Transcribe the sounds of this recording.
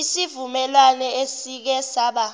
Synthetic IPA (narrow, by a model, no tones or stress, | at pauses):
isivumɛlanɛesik̬ɛsaɓa